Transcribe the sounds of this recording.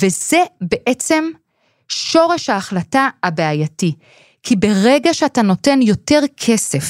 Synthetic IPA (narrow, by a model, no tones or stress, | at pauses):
vezebe̞ʔet͡se̞m | ʃo̞ʁe̞ʃhaːχlataabeajati | kʰibe̞ʁeɡaʃeatano̞te̞njo̞te̞ʁkʰe̞se̞f